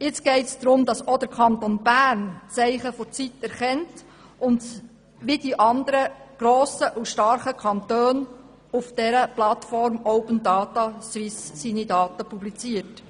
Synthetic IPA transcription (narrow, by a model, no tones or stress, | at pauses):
jɪt͡sɡ̥ɛɪtsd̪̥ɾʊmd̥̪ɑsod̥̪əɾkʰɑnt̪onb̥æːɾnt͡sɛɪχəfɔt͡sitɛɾχɛnt | ʔʊnd | ʋid̥iʔɑnd̪əɾəɡ̥ɾoːsəʔuʃtɑɾχəkʰɑnt̪øːn | ufd̥ɛɾəplɑtfɔɾmɔʊpəndɑːt̪ɑswɪsːinidɑːtəpublit͡siət